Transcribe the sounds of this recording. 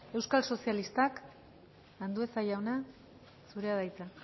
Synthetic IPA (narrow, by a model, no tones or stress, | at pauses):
e̞wskalso̞sialist̪ak | and̪ue̞sajawna | suɾe̞aðajt͡sa